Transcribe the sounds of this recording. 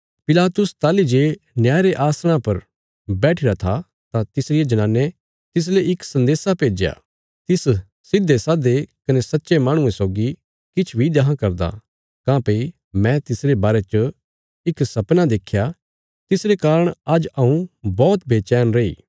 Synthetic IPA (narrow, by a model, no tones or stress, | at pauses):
pɪlaːt̪ʊst̪aːlid͡ʒeː | njaːɾeʔaːsɽ̃apɐɾ | bɛːʈʰɪɾat̪ʰa | t̪ãt̪ɪsɾɪjed͡ʒɐñãːnːe | t̪ɪs̬leɪksɐ̃nd̪eːsapeːd͡ʒja̰ | t̪ɪs | sɪd̪ːesaːd̪ekɐnesɐtːʃemaːɽ̃ũẽsoːɡi | kɪt͡ʃʰbʱid̪ɐɦãkɐɾd̪a̰ | kãːpei | mɛ̃t̪ɪsɾebaːɾet͡ʃə | ɪksɐpnad̪eːkʰːja | t̪ɪsɾekaːɾəɽ̃ɐd͡ʒɐũbɔːt̪bʱeːt͡ʃɛːnɾɐḭː